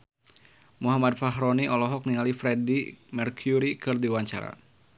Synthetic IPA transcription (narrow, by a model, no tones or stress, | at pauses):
muɦamad̪̚faɦɾɔniʔɔlɔɦɔk̚niŋalifɾɛdimɛrkʰjuɾikɨrdiwaɲt͡ʃa̰ɾa̰